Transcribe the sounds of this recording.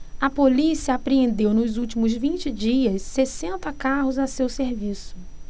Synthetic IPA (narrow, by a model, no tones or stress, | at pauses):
ɐpolisiɐapɾeẽnd̪ewnʊzuwt͡ʃimʊzvĩnt͡ʃɪd͡ʒiɐsːesẽnt̪ɐkaɦʊzasewseɾvisʊ̥